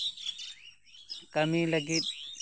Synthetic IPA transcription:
kɐmiːləɡit̪̚

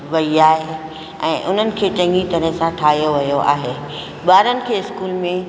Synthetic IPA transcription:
ʋɐiaːɦe | ɛ̰̃ːʔʊn̤ənɪ̆kʰeːt͡ɕɐ̃ŋɡit̪ɐɾə̃ɪ̃sãʈʰaːɦijoʋɐjoʔa̰ːɦeː | ɓaːɾənɪ̆kʰeːɪskuːlmẽ

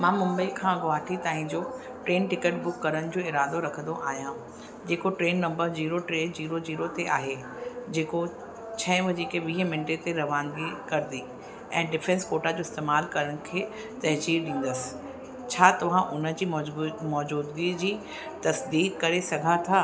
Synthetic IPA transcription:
mãːmʊ̃mbəikʰãːɡʊaːʈʰit̪aːɦɪ̃d͡ʑoː | ʈɾeːnʈɪkəʈ̚bʊkːɐɾəɽ̃ɪ̆d͡ʑoːɪɾaːd̪oɾɐkʰə̃nd̪oʔaːɦjã | d͡ʑeːkoʈɾeːnːɐ̃mbəɾziːɾoʈɾeːnd͡ʑiːɾod͡ʑiːɾot̪eʔaːɦe | d͡ʑeːko | t͡ɕʰɐ̃ɪ̃ʋɐd͡ʑiːkeʋiːɦəmɪnʈet̪eɾɐʋãːnd̪ikɐɾɪd̪i | ɛ̃ːɖɪfɛ̃nskoːʈad͡ʑoːɪst̪eːmaːlkɐɾəɽ̃ʊ̆kʰeː | t̪ɐɦt͡ɕiːɾɗĩːn̆d̪əsɪ̥ | t͡ɕʰaːt̪ɐʋ̤ãʔʊnə̆d͡ʑiːmɔːd͡ʑuːd̪ɡid͡ʑiː | t̪ɐsd̪iːkkɐɾesɐɡʱat̪ʰaː

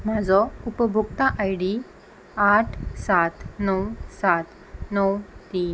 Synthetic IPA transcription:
m̤ad͡zɔupəbʱukt̪aʔajɽi | aʈʰsat̪nəwsat̪ | nəwt̪iːn

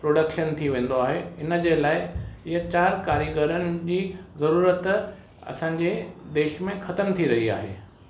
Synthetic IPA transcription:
pɾoːɖəkʃənt̪ʰiʋẽːn̆d̪oaːɦeɪnəd͡ʑelaːɪɪɦət͡ɕaːɾkaːɾjiɡəɾənɪ̆d͡ʑiːzɐɾuːɾət̪ | ɐ̰sãːɲd͡ʑed̪eːʃmẽxɐt̪əmt̪ʰiɾɐɦia̰ːɦeː

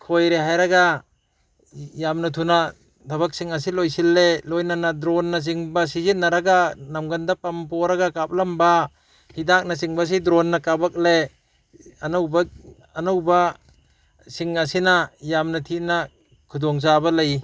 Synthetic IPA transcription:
kʰojɾeɦajɾaɡa | jamnɐtʰuna | dʰɐbak̚siŋas̬ilojsilːelojnanadɾɔnːas̬iŋbasizit̚naɾaɡanamɡandapampɔɾaɡakap̚lamba | hidak̚nasiŋbas̬idɾɔnːakabak̚le | anawbaː | nawba | siŋasinajamnatʰit̚na | kʰudɔŋzabalaj

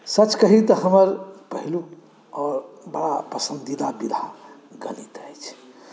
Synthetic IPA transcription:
sət͡ʃkəɦit̪əɦəməɾpəɦilu | ɔːɾbəɽapəsənd̪id̪abid̪ʱa | ɡənit̪əjt͡ʃʰ

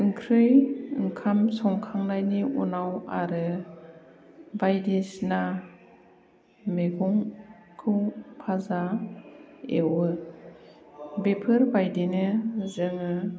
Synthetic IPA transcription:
ɯŋkʰɾɯjɯŋkʰamsɔŋkʰaŋnajniṵnawaɾɯ | bajdesna | meɡɔŋ | kʰɯwpʰaza | ewɯ | bepʰɯɾbajdenɯzɯŋɯ

